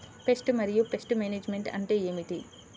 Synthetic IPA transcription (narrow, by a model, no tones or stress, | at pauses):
pe̞sʈmɐɾijupe̞sʈmeːneːd͡ʒme̞ɳʈɐ̰ɳʈe̞ːeːmiʈi